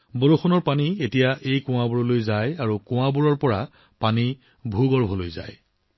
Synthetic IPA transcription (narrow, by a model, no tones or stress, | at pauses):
boloxɔnɔɹpanietijaʔejkʊ̃w̃abɔɹɔlojzajaɹukʊ̃ãbuɹɔɹpɔɹa | pani | bʱuɡɔɹbʱɔlo̰jza̰j